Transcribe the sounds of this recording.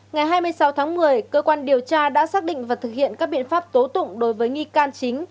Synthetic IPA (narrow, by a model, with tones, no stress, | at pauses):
ŋa˨˩jɦaː˧jmɨ˧əjsa˨˦wt̪ʰaː˨˦ŋmɨ˨˩əjkəː˧kwaː˧nɗi˨˩əwt͡ɕaː˧ɗa̰ː˧˥saː˦˥k̚ɗḭ˧˨ŋ̟vaː˨˩t̪ɨ˨˩k̚hḭ˧˨ənkaː˦˥k̚ɓḭ˧˨ənfaː˦˥p̚t̪o˨˦t̪ʊ̰˧˨ŋ͡mɗo˨˦jvəː˨˦jŋi˧kaː˧nt͡ɕï˨˦ŋ̟